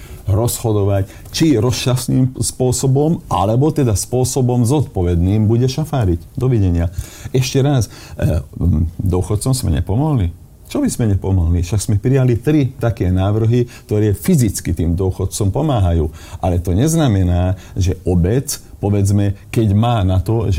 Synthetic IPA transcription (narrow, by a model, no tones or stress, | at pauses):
ɾɔshɔd̪ɔʋac | t͡ʃiɾɔst͡ʃasniːmspʊɔsɔbɔma̰lɛbɔt̪ɛd̪aspʊɔsɔbɔmzɔt̪pɔʋɛd̪niːmbuɟɛʃafaːɾiɟd̪ɔʋiɟɛɲɪaɛʃcɛɾas | d̪ʊɔxɔt̪̚t͡sɔmsmɛ̰ɲɛ̰pɔmɔɦli | t͡ʃɔbizmɛɲɛpɔmɔɦliʃaɡz̥mɛpɾijalit̪ɾit̪akɛːnaːʋr̩ɦik̚t̪ɔɾɛːfizit͡skit̪iːmd̪ʊɔxɔt̪̚t͡sɔmpɔmaːɦajuːʔalɛt̪ɔɲɛznamɛnaːʒɛʔɔbɛt͡spɔʋɛd͡zmɛkɛɟmaːnat̪ɔʒ